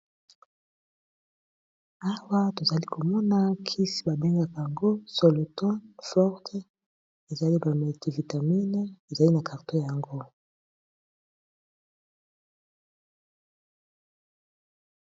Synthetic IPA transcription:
a˦wa˦to˨za˨li˦ko˨mɔ˦na˦kʰi˦sba˨be˦ŋɡa˦ka˨a˨ŋɡo˦so˨lo˨tɔ˦nfɔ˦ʁt | e˨za˨li˦ba˨me˨ti˦˨vi˨ta˨mi˦n˦e˨za˨li˦na˨kʰa˨ʁto˦ja˨ŋɡo˦

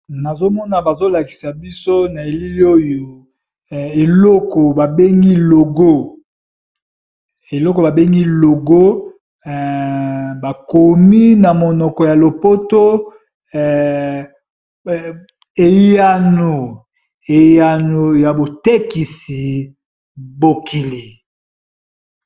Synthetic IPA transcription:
na˨zo˦mɔ˦na˨ba˨zo˦la˨ki̥˨sa˨bi˦so˦na˨e˨li˦li˦o˦jo˨ | e˨lɔ˦kɔ˨ba˨be˦ŋɡi˦lo˨ɡo˦ | e˨lɔ˦kɔ˨ba˨be˦ŋɡi˦lo˨ɡo˦˨ | ba˨ko˨mi˦na˨mo˨nɔ˨kɔ˨ja˨lo˨po˦to˦˨ | e˨ja˦˨no˨ | e˨ja˨no˨ja˨bo˨te˦ki˨si˨ | bo˨kʰi˨li˨

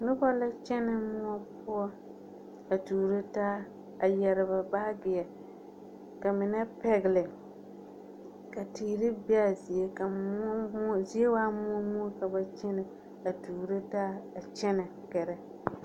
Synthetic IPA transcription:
nʊ˦bɔ˦la˦t͡ʃɛ˦nɪ˦mʊ˦ɔ˦pʊ˦ɔ˦ | a˨tuː˨ɾe˦taː˦ | a˨jɛ˨ɾɪ˨ba˨baː˦bɪ˨ɛ˨ | ka˨mɪ˨nɛ˦pɛ˨ɣɪ˨lɪ˨ | ka˨tiː˨ɾɪ˦bi˦a˨zi˨e˦ka˨m˦m˦zi˦e˦waː˦mʊ˦ɔ˦mʊ˦ɔ˦ka˨ba˨t͡ʃɛ˦nɪ˨ | a˨tuː˨ɾe˦taː˦a˨t͡ʃɛ˦nɛ˨ | kɛ˨ɾɛ˦

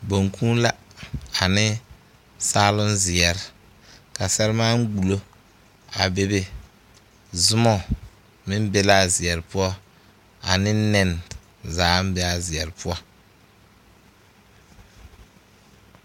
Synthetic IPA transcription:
bo˨ŋkʰũː˦la˦a˨nɪ˦ | saː˦lʊ˦nzɪ˨ɛ˨ɾɪ˨ | ka˨sɛ˦ɾɪ˦maː˦ŋ̩˦ɡ͡bu˨lo˦ | a̰˨be˦be˨ | zʊ˦mɔ˦˨ | mɪ˦m˦bɛ˦la˦˨zɪ˨ɛ˨ɾɪ˨pʊ˦ɔ˦ | a̰˨nɪ˦nɛ˦n | zaː˨˦m˦bɛ˦a˨zɪ˨ɛ˨ɾɪ˨pʊ˦ɔ˦

